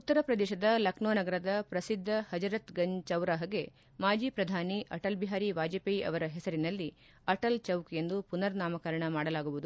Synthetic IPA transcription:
ut̪ːɐɾɐpɾɐd̪ɛːʃɐd̪ɐlɐknoːnɐɡɐɾɐd̪ɐpɾɐsid̪ʱːɐhɐd͡ʒɐɾɐt̪ɡɐɲt͡ʃɐwɾaɦɐɡe̞ | maːd͡ʒiːpɾɐd̪ʱaːniʔɐʈɐlbiɦaːɾiʋaːd͡ʒɐpeiʔɐ̰ʋɐɾɐɦɛsɐɾinɐlːi | ɐʈɐlt͡ʃɐwkje̞nd̪upunɐɾnaːmɐkɐɾɐɳɐmaːɽɐlaːɡuʋud̪u

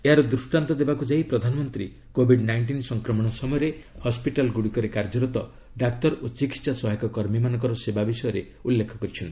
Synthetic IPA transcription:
eɦaɾɔd̪ɾusʈant̪ɔd̪ebakud͡ʒaipɾɔd̪ʱanɔmɔnt̪ɾḭ | kobʱiɖnajɳʈinsɔŋkɾɔmɔɽ̃ɔsɔmɔjɔɾehɔspiʈalɡuɽikɔɾekaɾd͡ʒɔɾɔt̪ɔ | ɖakt̪ɔɾot͡ʃikitsasɔɦjkɔkɔɾmimanɔ̃ŋkɔɾɔsebabisɔjɔɾe | ulːekʰɔkɔɾit͡ʃʰɔnt̪i̥

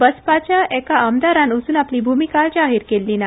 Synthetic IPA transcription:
bəspat͡ɕjaɛkaamd̪aɾanosuːnapliːbʱumikaɭd͡ʑaɦiɾkelːiːna

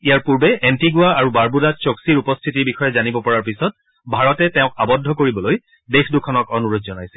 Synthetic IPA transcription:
ijaɹpuɹbɛʔɛntiɡuaaɹubaɹbudatsoksiɹupɔstʰitiɹbixɔjɛzanibɔpɔɹaɹpisɔt̚ | bʱaɹɔtɛtɛʊ̃k̚abɔdʱːɔkoɹibɔloj | dexdukʰːɔnɔkɔnuɹotzɔnajsɛ̥

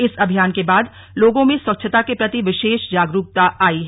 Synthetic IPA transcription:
ɪsɐbʱijaːnkebaːd̪ | loːɡõmẽswɐkʃʰət̪akepɾɐt̪iʋɪʃeːʃd͡ʒaːɡɾuːp̚t̪aʔaːiɦɛ

